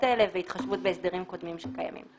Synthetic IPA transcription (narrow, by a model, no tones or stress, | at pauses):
aeleveit̪χaʃvut̚be̞esd̪eʁimko̞d̪mimʃekaja̰mḭm